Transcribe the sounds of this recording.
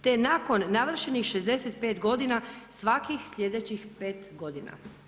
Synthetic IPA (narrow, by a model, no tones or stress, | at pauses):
t̪enaːko̞nːaʋr̩ʃenixʃe̞zd̪e̞set̪̚pe̞ːt̪ɡo̞d̪inasʋakixslʲe̞d̪e̞t͡ɕixpe̞ːt̪ɡo̞d̪ina̰